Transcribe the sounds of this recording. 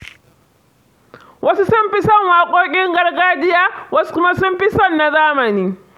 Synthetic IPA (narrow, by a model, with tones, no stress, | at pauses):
wʔɐ˦su˦sʊ˦mɸɪ˦sɔ˦˨ŋwaː˨kʷʼoː˦kʲʼɪ˦ŋɡɐ˦rɡaː˦d͡ʒɪ˦jaː˦wɐ˦su̥˦kʊ˦ma˦sʊ˦mɸɪ˦sɔ˦˨nːa˨zaː˦mɐ˨niː˦